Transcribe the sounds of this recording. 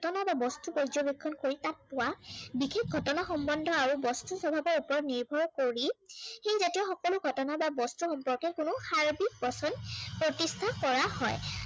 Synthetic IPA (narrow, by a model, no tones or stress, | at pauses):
tɔnababɔstubɔjzɔbikʰːɔnkoɹitat̚pʊwabixek̚ɡʱɔtɔnaxɔmbɔndʱɔaɹubɔstusɔbʱabɔɹupɔɹniɹbʱɔɹkoɹixejzatijɔxɔkɔlʊɡʱɔtɔnababɔstuxɔmpɔɹkɛkʊnʊxaɹbik̚bɔsɔnpɹɔtistʰakɔɹahɔj